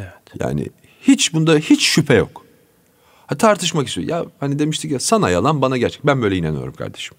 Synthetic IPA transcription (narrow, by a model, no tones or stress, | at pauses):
ɛɛt̪ja̰ːnɪ̰ | hit͡ʃbund̪ahit͡ʃʃypʰɛjo̰k | hat̪ʰaɾt̪ʰɯʃmakist̪ʰijo̰jʔahanid̪e̞miʃt̪ʰicjasana̰jalˠanbanaɟæɾt͡ʃʰɛ̥c̪̚bænbø̞jlʲɛinanɯ̰ijo̞̰ɾumkʰa̰ɾd̪e̞ʃɯ̥m